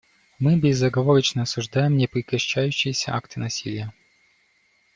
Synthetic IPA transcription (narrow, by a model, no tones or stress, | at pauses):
mɨbʲɪzːɐɡɐvoɾət͡ɕnəɐsʊʐd̪ajɪmnʲɪpɾʲɪkɐɕːæjʉɕːɪjɪsʲə̰ʔa̰kt̪ɨnɐsʲilʲɪjə